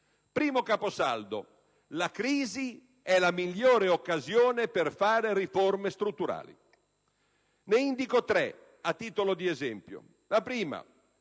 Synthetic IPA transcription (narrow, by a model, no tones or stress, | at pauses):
pɾiːmokaːposa̰ld̪o̰ | lakɾiːzi | ɛlamiʎːoːɾeokːazjoːneperfaːɾeriformest̪ɾut̪ːuɾa̰ːlḭ | neind̪ikot̪ɾɛ | at̪ːiːt̪olod̪iezɛmpjo̰ | lapɾiːma̰